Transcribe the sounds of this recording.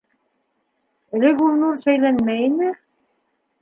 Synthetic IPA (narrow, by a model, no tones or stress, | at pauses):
ɘ̆lɘ̆ɡulˠnuɾsœjlænmæjinɘ